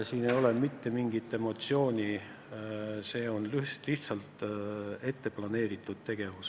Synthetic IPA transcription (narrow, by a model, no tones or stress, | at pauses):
siːne̞jo̞lemit̪ːe̞miŋɡ̥it̪ːˑe̞mo̞t̪sio̞ːnʲi | se̞ːo̞nlyliht̪sɑlt̪e̞t̪ːe̞plɑne̞ːɾit̪ːˑud̪̥̚t̪e̞ɡ̥e̞vus